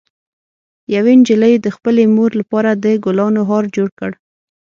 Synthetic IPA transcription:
jawend͡ʒɪləjd̪əxpəlemoɾlapɑɾad̪əɡʊlɑnoɦɑɾd͡ʒoɽkəɽ

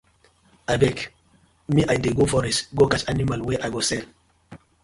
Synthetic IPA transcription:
ajbɛk | miʔajdeɡofɔɾɛsɡokat͡ʃanimalwɛʔajɡosɛl

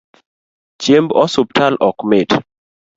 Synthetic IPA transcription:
t͡ʃembɔsup̚tʰalʔɔkmet

